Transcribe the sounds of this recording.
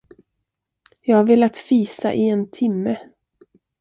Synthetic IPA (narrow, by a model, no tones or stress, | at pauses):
jɑːɡhaveːlat̪fiːsa̰ʔɪɛnt̪ʰɪmːə